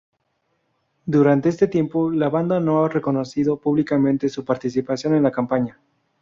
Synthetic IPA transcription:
d̪uɾant̪e̞est̪et̪je̞mpo̞laβand̪ano̞are̞ko̞no̞siðo̞puβlikamẽnt̪e̞supaɾt̪isipasjo̞ne̞nlakampaɲa

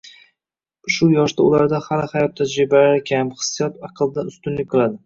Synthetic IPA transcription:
ʃʊjɒʃd̪aʊlaɾd̪ahalɪhajɒp̚t̪ʰad͡ʒɾɪbalaɾɪkʲʰamχɨ̥sːɨjɒt̪ɑqʰɨlˠd̪anʊst̪ʊnlɪkʲqʰɨlˠad̪ɪ

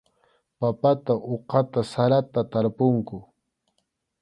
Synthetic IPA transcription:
papat̪aʔoqɑt̪asaɾat̪at̪aɾpʊŋkʊ

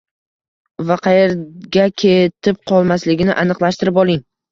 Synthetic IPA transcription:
vaqʰɑjeɾɡʲakʲʰe̞t̪ʰɪp̚qʰɒlˠmaslɪɡʲɪnɪʔanɨqlˠaʃt̪ɪɾɪpɒlˠɪŋ

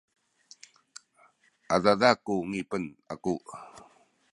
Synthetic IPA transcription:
ʔadadakuŋipəna̰ku

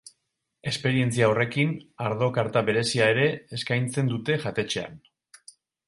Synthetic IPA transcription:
e̞spe̞ɾie̞nt͡siaore̞kinaɾðo̞kaɾt̪aβe̞ɾe̞siae̞ɾe̞ːskajnt͡se̞nd̪ut̪e̞ʝat̪e̞t͡ʃe̞a̰n

